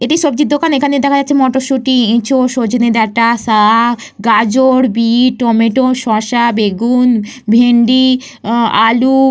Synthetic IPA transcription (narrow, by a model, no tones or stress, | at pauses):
eʈiʃobd͡ʑid̪ːokanekʰaned̪ɛkʰad͡ʑatːʰemɔʈoʃuʈiẽt͡ɕʰoʃod͡ʑned̪ɛɾʈasa | ɡad͡ʑoɾbiʈɔmeʈoʃɔʃabeɡunbʱeɳɖi | a̰lu